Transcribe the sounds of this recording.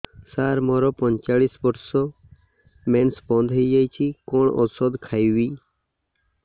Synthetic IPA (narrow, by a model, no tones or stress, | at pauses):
saɾmɔɾɔpɔɲt͡ʃaɭisbɔʈsɔ | mensbɔnd̪ʱɦəjd͡ʒajt͡ʃʰikɔɳɔ̰sɔd̪kʰajwi